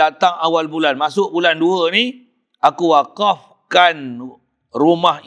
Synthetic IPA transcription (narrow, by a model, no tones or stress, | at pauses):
at̪aŋawalbulanmasʊʔbulanduəni | akuwakaf | kan | rumah